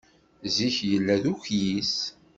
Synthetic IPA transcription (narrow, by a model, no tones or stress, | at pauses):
ziçjəlːæðuçjis